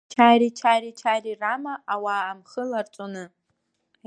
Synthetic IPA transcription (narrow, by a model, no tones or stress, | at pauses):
t͡ʃʰaːɾit͡ʃʰaːɾit͡ʃʰariramaʔawaːmχəlart͡sʷʼonɨ